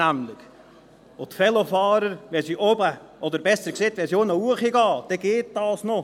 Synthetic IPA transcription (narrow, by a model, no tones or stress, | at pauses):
æmlɪk | ʊt̪fɛlofɑːɾəɾʋɛsiʔobə | ʔɔd̪əɾbɛsəɾkseːt̪ʋɛsionəuəχiɡɑːd̥ɛɡeːt̚d̥ɑːsno